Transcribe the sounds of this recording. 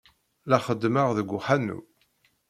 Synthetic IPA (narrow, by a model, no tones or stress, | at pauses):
læχəd̪məʁðəɡʷːʊħanːṵ